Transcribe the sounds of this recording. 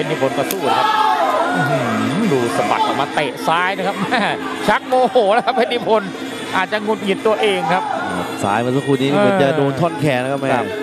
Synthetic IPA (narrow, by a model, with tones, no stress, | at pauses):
e˧nːiː˦˩pʰo˧nka˧suː˥˩la˧kʰa˦˥p̚ʔ̩˧˩hduː˧sa˧ba̰˨˩k̪̚ʔa̰ː˨˩maː˧t̪eː˨˩ʔsaː˦˥jnaː˧kʰa˦˥p̚maː˧˥˩ | t͡ɕʰa˦˥k̚moː˧hoː˩˦la˦˥kʰa˦˥p̚ːe˧nːiː˦˥˩pʰo˧n | ʔaː˨˩t̪̚t͡ɕa˨˩ŋu˨˩t̪̚ŋi˨˩t̪t̪ːu˧ɐʔeː˧ŋkʰa˦˥p̚t̪̚sa̰ː˦˥jmaː˧˩sa˧˥kʰuː˧˩niː˦˥nː˧kɔ˨˧˦t͡ɕa˨doː˧nt̪ʰɔ˥˩nkʰɛː˨˩na˧˦˥kʰa˦p̚mɛː˧˦˩